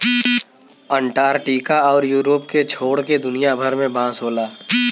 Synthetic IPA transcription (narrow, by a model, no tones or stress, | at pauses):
ə̃ɳʈaːɾʈiːkaɔːɾjuːɾoːpket͡ʃʰoːɽked̪ʊnijabʱəɾmẽbãːsɦoːlaː